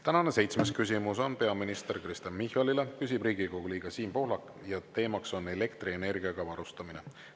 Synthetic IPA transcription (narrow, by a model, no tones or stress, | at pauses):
t̪ænɑne̞se̞jt̪smeskys̬ʲimuso̞npe̞ɑminist̪e̞ɾkrist̪ɑnmihˑɑlile̞kys̬ʲib̥riːɡ̥ikoɡ̥uliːɡ̥ɑsiːmpo̞hlɑk | jɑt̪e̞ːmɑkso̞ne̞le̞kt̪riene̞rɡ̥iɑɡ̥ɑvɑɾust̪ɑmine̞